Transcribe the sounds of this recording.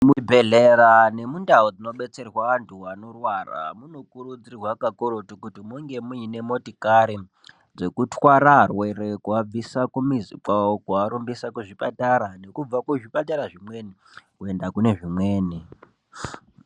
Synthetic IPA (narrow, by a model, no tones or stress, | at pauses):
mibʱe̞ɮeɾane̞mundaod͡zino̞ɓe̞t͡se̞rwaʋantʰuwanorwara̰muno̞kuɾud͡zirwakakoɾotokutimuŋɡe̞muine̞mo̞tikaɾi | d͡ze̞kutwaɾarwe̞ɾekuab͡visakumizḭkwaokuaɾumbisakuʐipataɾane̞kub͡vakuʐipataɾaʐimwe̞ni | kue̞ndakune̞ʐimweːni